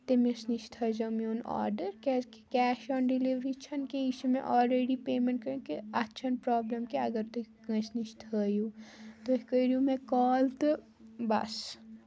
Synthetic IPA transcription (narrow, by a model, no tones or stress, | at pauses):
t̪imisniʃt̪ʰəd͡ʒɐmionɔ̰ːɾɖəɾkɛki̥kɛːʃɔːnɖɪliʋɾit͡ʃʰɐnkeiʃemẽʔɔːlɾeːɖipeːmẽɳʈkɐɾũkeɐtːʃʰɐnpɾɔːbləmkeɐɡəɾt̪ukɐ̃sniʃt̪ʰəjuːt̪okəiɾiũmẽkɔːlt̪ | bɐ̰s